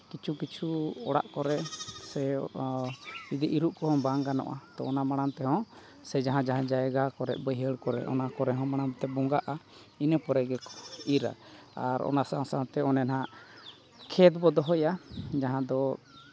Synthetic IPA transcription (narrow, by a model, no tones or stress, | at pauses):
kit͡ʃʰukit͡ʃʰuɔɽa̰ʔkɔɾɛsɛ | id̪əʔiɾuʔkɔɦɔ̃baŋɡanɔ̰̃ʔa̰t̪ɔːnamaɽ̃ant̪ɛɦɔ̃ | sɛd͡ʒaɦãd͡ʒaɦãd͡ʒajɡakɔɾɛ̰ʔ̪̚ˀbəjɦəɽkɔɾɛ̰ʔɔ̰nakɔɾɛɦɔ̃maɽ̃amt̪ɛbɔŋɡaʔa | inəpɔɾɛɡɛkɔ̥iɾa̰ | aɾɔ̰nasaŋsaŋt̪ɛɔnɛnɦaʔ | kʰɛt̪bɔd̪ɔɦɔjad͡ʒaɦãd̪ɔ